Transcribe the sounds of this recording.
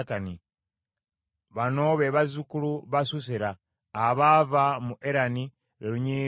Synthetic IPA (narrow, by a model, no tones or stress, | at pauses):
kani | βano̞βeβazukuluβasus̬eɾaː | βaːvamuʔeɾani | ɾeluɲi